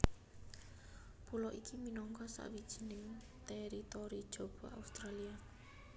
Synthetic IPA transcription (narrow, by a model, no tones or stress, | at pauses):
pulɔʔikʰiminɔŋkɔsa̰ʔwid̥ʒ̥ə̤nɪŋ | t̪ɛɾit̪ɔɾid̥ʒ̥o̤b̥ɔ̤a̰ust̪ɾalia